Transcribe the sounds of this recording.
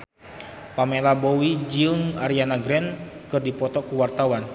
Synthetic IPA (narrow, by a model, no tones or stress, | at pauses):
pamelabɔwid͡ʒəŋaɾianaɡɾɛn | kɨrdipɔt̪ɔkuwart̪awan